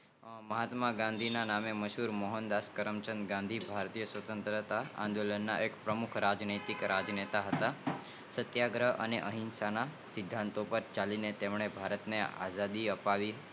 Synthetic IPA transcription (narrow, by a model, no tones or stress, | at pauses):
məɦat̪maɡãnd̪ʱinanameməʃuɾmɔɦənd̪askəɾəmt͡ʃənd̪ɡãnd̪ʱibʱaɾt̪ijəsʋət̪ənt̪ɾət̪aã̰nd̪olənːa̰ʔekpɾəmukʰɾad͡ʒnit̪ikɾad͡ʒnet̪aɦət̪a | sət̪jaɡɾəɦə̰neʔəɦinsanasɪd̪ʱːãnt̪opəɾt͡ʃalinet̪emɳ̃ebʱaɾət̪nea̰zad̪iəpaʋi